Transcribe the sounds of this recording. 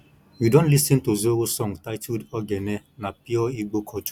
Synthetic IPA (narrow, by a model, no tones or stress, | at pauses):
widõntlisɛ̃ntozuowosɔŋtajtʰudɔɡɛnɛ | napiɔiɡ͡bokʰɔtu̥